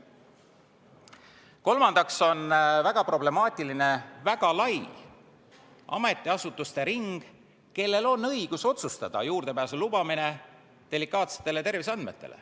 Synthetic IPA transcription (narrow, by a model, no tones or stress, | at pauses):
ko̞lmɑnd̪ɑkso̞nvæɡ̥ɑpro̞ble̞mɑːt̪ʲːˑiline̞væɡ̥ɑlɑj | ʔɑ̰me̞t̪ːˑiɑsut̪ːˑust̪e̞ɾiŋɡ̥ | ke̞lːe̞lo̞nːɤ̞jɡ̥uso̞t̪sust̪ɑd̪̥ɑ̰juːrd̪̥e̞pæːsulub̥ɑmine̞ | d̪̥e̞likːˑɑːt̪se̥t̪ːˑe̞let̪e̞rvis̬ɑnd̪̚me̞̰t̪ːˑe̞̰lḛ